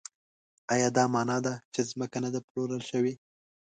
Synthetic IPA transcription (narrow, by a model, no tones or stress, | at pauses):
ɑjɑd̪ɑmɑnɑd̪at͡ʃezməkanad̪aploɾəlʃəwi